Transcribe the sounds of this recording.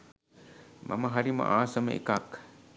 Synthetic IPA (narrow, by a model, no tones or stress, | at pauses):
mʔɐ̰mɐɦɐɾimɐ̰ʔaːsɐmɐ̰ʔḭkaːk